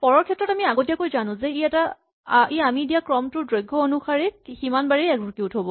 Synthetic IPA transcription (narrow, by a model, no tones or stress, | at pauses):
pɔɹɔɹkʰɛtːɹɔtamiaɡotijakojzanʊ̃zɛiɛta | iamidijakɹɔmtʊɹdɹɔjɡʱːɔonuxaɹɛkximanbaɹiɛɡbuɹkiʊtɦobɔ